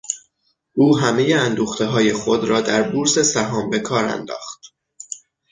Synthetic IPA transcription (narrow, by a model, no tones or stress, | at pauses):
ʔuːɦæme̞jeænd̪uːxt̪ʰe̞ɦɒːje̞xo̞d̪ɾɒːd̪æɾbuːɾse̞sæɦɒːmbe̞kʰɒːɾæ̰nd̪ɒ̰ːχt̪